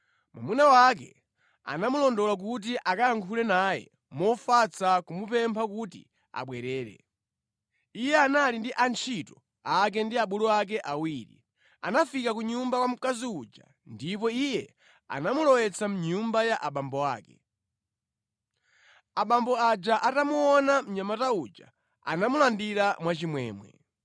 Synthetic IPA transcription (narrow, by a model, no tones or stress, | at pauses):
ma̰munawak̬ɛ̰ | a̰namulɔndɔlak̬ut̬iʔakajaŋkʰulɛnaːjɛ̰ | mɔfat͡sakumupɛmpʰakutḭ | a̰ɓwɛɾɛːɾɛ̰ | ijɛanalindiʔant͡ʃʰitɔ | ak̬ɛndiaɓulɔak̬ɛʔawiːɾḭ | a̰nafikakuɲumbawam̩kaziud͡ʒa̰ | ndip̬ɔijɛ | a̰namulɔwɛt͡sʰam̩ɲumbajaʔaɓambɔa̰ːkɛ̰ | aɓambɔad͡ʒaʔatamuɔnam̩ɲamataud͡ʒa̰ | a̰namulandiɾamwat͡ʃimwɛ̰ːmwɛ̰